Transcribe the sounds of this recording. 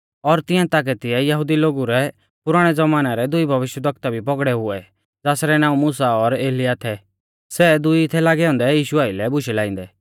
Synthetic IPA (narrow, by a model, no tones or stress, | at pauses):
ɔɾt̪ɪ̃ãt̪ak̬ɛt̪ɪɛjɐɦud̪iloːɡuɾɛ | pʊɾaːɽ̃ɛd͡zɐmaːnaɾɛd̪ʊibʱɐʋɪʃjəd̪ʱɐkt̪abʱipɔɡɽɛɦʊɛ | d͡zaːsɾɛnãːũmuːsaɔɾeːlɪjat̪ʰɛ | sɛd̪ʊit̪ʰɛlaːɡɛɔ̃ːnd̪ɛjiːʃʊaːilɛbʊʃɛlãːĩnd̪ɛ